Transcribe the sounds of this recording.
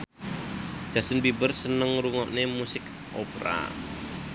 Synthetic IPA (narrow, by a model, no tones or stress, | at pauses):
d͡ʒ̥a̤sənbibərsənəŋɾuŋɔʔnemusɪk | ʔo̰pɾa̰